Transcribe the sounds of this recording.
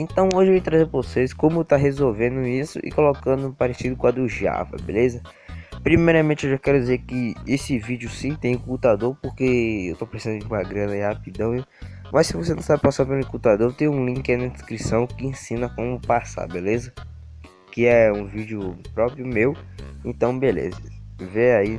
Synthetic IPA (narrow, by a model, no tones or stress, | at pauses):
ẽt̪ɐ̃w̃oʒɪvejt̪ɾazeɾɾvoseskõmʊewt̪aɦezowvẽnd̪ʊisʊ̰ʔɪ̰kolokɐ̃nd̪ʊ̃paɾesid̪ʊkw̃ɐd̪uʒa̰vɐ̰bḛlezɐ | pɾimejɾɐmẽt͡ʃɪewʒakɛɾʊd͡ʒizeɾkɪesɪvid͡ʒʊsĩt̪ẽj̃ʊkut̪ad̪oɾpoɾkeewt̪opɾesizɐ̃nʊd͡ʒɪũmɐɡɾɐ̃nɐihapid̪ɐ̃w̃i | mʔɐssɪvosenɐ̃sabɪpasapelukut̪ad̪oɾt̪ẽj̃ũlĩkɪɛnɐd̪ɪskɾisɐ̃w̃kɪẽsĩnɐkõmʊpasa̰ɾbelezɐ | kɪɛũvid͡ʒjʊpɾɔpɾjʊmewẽt̪ɐ̃w̃belḛzɐveai